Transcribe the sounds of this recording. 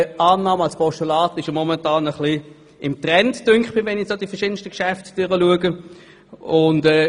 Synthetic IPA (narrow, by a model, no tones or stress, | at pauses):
ɑːnɑːmɑlspɔʃtulɑːtɪʃjomɔmɛntɑːnəχli | ɪmtʁɛntd̥ʏŋkχb̥ɪʋɛnɪsoːdifɛɐʃɪːdən̩ʃtəkʃæftd̥ʏʁəluəɡə | ʊndɛː